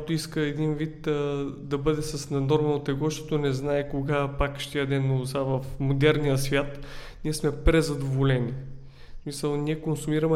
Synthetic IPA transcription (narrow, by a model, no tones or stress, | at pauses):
kat̪ʊiskəɛd̪invit̪əd̪ɐbɤd̪ɛsɐsnɐnɔɾmɐnot̪ɛɡɔʃt̪ɔt̪onɛznaɛkoɡapakʃt̪ʲiəd̪ɛnːozavɐfmod̪ɛɾnijəsvʲjat̪ | niɛsmɛpɾɛzɐd̪ovolɛni | smisəlˠniɛkonsumiɾɐmɛ